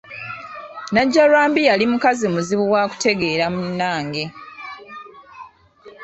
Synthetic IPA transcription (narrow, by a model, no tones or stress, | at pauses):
naɟːalwaːmbijalimukazimuziβuwaːku̥te̞ɡe̞ːɾamunːaːŋɡe̞